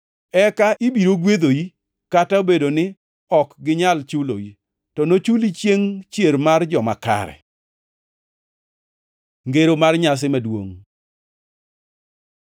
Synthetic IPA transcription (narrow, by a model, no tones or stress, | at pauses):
ɛkaʔibiɾoɡwed̪oji | kataobedonɪ | ɔkɡɪɲalt͡ʃulo̰ji | tɔnot͡ʃulit͡ʃjeŋt͡ʃjeɾmard͡ʒɔmaka̰ɾɛ̰ | ŋɡeɾomarɲas̬ɪmadwo̰ŋ